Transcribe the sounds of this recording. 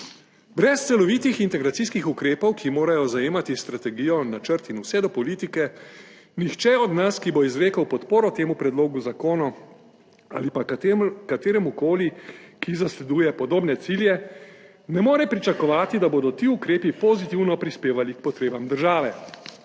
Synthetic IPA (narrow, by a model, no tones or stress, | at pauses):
bɾɛst̪sɛlɔʋiːt̪ixint̪ɛɡɾat̪siːskixukɾeːpɔwkʰimoːɾajɔzajeːmat̪ist̪ɾat̪ɛɡiːjɔnat͡ʃəɾt̪inusɛd̪ɔpɔliːt̪ikɛ | nixt͡ʃɛɔd̪naskibɔizɾeːkawpɔt̪poːɾɔt̪eːmupɾɛd̪loːɡuzakoːnɔ | a̰ːlipakat̪eːɾɛmukoːlikizaslɛd̪uːjɛpɔd̪oːbnɛt̪siːljɛ | nɛmoːɾɛpɾit͡ʃakɔʋaːt̪id̪aboːd̪ɔt̪iːukɾeːpipɔzit̪iwnɔpɾispeːʋalikpɔt̪ɾeːbamd̪əɾʒaːʋɛ